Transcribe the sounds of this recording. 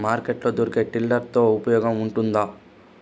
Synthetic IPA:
maːɾkeʈlo̞ːd̪oːɾike̞ːʈilɖɐɾt̪o̞ːupɐjɔːɡɐmuɳʈund̪aː

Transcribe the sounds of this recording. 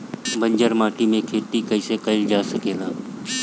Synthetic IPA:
bʱə̃ɲd͡ʒəɾmaːʈimẽkʰeːt̪ikəɪsekəɪld͡ʒaːsəkeːlaː

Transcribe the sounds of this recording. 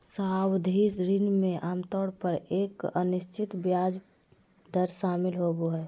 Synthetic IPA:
saːwd̪ʱisɾɪnmẽʔaːmt̪ɔːɽpəɾeːkə̰nɪʃt͡ʃʰɪt̪bjaːd͡ʒ | d̪ʱəɾʃaːmɪlɦoboɦɛː

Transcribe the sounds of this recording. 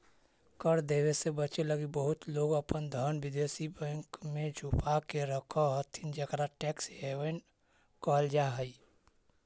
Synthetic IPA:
kəɾd̪eːwesebət͡ʃeləɡibəɦʊt̪loːɡəpənd̪ʱənʋɪd̪esibə̃ŋkmẽd͡ʒʱupakeɾəkʰəɦət̪ʰind͡ʒəkɾaʈɛksɦewən | kɔld͡ʒaɦəi

